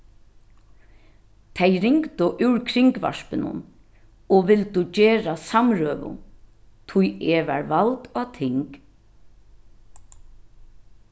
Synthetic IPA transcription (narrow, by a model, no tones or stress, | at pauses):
t̪ʰɛjɾɪŋkt̪ʊʔʉwɹkʰɾɪŋkʋa̰ʂpənʊ̰n | ɔʋɪlt̪uceːɾasamɾøːʋʊ̰n | t̪ʰʊjeːʋa̰ɹʋalt̪at̪ʰɪŋk